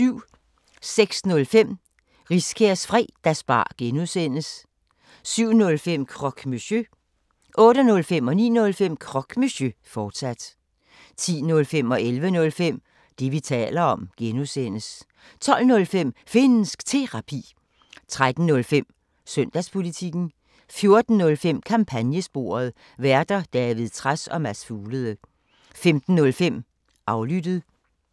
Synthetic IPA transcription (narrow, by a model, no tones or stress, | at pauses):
syʊ̰ | seɡ̥snɔ̽lfem̰ | ʁiskʰeɐsfʁḭːd̥æsb̥ɑ̰̈ːɡ̥enusen̰əs | syʊ̰nɔ̽lfem̰kʰʁɒ̽ɡ̥misø | ʔɔ̽ːɾənɔ̽lfem̰ɒ̽nḭːnɔ̽lfem̰kʰʁɒ̽ɡ̥misɕøfɒːd̥sæd̥ | t͡sʰḭːnɔ̽lfem̰ɒ̽ʔelʋənɔ̽lfem̰ | d̥iʋit͡sʰɛ̰ːlɐɒ̽mɡ̥enosenəs | t͡sʰɒ̽l̰nɔ̽lfem̰fe̝n̩sɡ̥t͡sʰe̝ʁɑ̈pʰḭː | t͡sʰʁad̥n̩nɔ̽lfem̰ | søn̰d̥æspʰo̝lit͡sʰiɡ̥n̩ | fjo̝ɐd̥n̩ːɔ̽lfem̰kʰɑ̈mpʰænjəsb̥o̝̰ːɐð̞̩ˠ | ʋæɐd̥ɐd̥ɛʋiðˠt͡sʰʁasɒ̽mæsfuːləð̩ˠə | femd̥n̩ːɔ̽lfem̰ | ʔɑ̈ʊlyd̥əð̩ˠ